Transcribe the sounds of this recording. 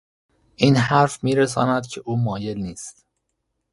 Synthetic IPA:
ʔiːnɦæɾfmiːɾes̬ɒ̰ːnæd̪cʰe̞ʔuːmɒːje̞lniːst̪

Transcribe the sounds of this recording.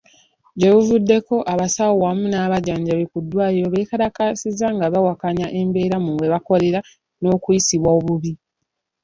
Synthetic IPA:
ɟeβuvudːe̞ko̞ʔaβasawowamunaːβaɟaːɲɟaβekudːwaːjiɾoβe̞kaɾakasizaŋɡaβawakaɲaʔe̞mbe̞ːɾamuwe̞βako̞le̞ɾa | no̞ːkujisiβwaoβuβi

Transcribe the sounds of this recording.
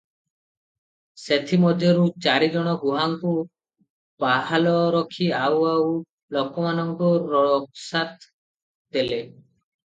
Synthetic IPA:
set̪ʰimɔd̪ʱjɔɾut͡ʃaɾid͡ʒɔɽ̃ɔɡuɦaŋku | paɦalɔɾɔkʰiawaw | lɔkɔmanɔŋkɔɾɔɭɔksat̪ | d̪ele

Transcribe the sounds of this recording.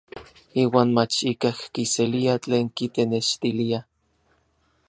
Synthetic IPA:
iːwaːnmat͡ʃikahkiseliat͡ɬeːŋkit̪eneʃt̪ilia

